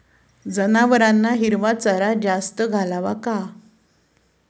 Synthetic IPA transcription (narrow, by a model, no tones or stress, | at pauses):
d͡zənaʋəɾanːaɦiɾʋat͡saɾad͡zast̪əɡʱalaʋaka